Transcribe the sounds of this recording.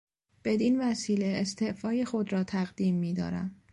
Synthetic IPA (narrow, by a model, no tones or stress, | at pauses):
b̥e̞d̪iːnvæsiːle̞ːst̪ʰeʔfɒːjexo̞d̪ɾɒːt̪ʰæɣd̪iːmːiːd̪ɒ̰ːɾæ̰m